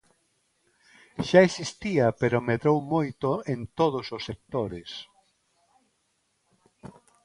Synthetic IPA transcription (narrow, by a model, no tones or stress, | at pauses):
ʃaesist̪iɐpeɾomeðɾowmojt̪oent̪oð̞ososːek̚t̪oɾes